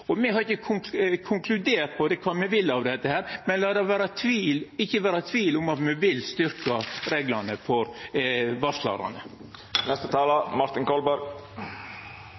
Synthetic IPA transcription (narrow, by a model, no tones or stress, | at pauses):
ɔmɛhɑɾɪçːəkʰʊŋkʰʊŋkʰlʉd̪eːɾt̪̚pʰɔd̪ɛkʰʋɑːmɛʋɪlːɑʋd̪ɛt̪ːəhæːɾmɛnlɑːd̪ɛʋæːɾɑt̪ʰʋiːlɪçːəʋæːɾɑt̪ʰʋiːlʊmɑt̪mɛʋɪlst̪ʏɾkɑɾeːɡlɑnəfɔɾʋɑʂlɑ̰ɾɑ̰nə | nɛst̪ət̪ʰɑːlɑmɑɾt̪ɪnkɔlbɑɾɡ